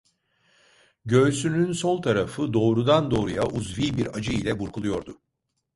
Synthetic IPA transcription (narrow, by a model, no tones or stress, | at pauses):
ɟø̞ːsynynso̞lˠt̪ʰaɾafɯd̪o̞ːɾud̪and̪o̞ːɾujaʔuzviːbiɾad͡ʒɯilʲɛbuɾkʰulˠujo̞ɾd̪ʊ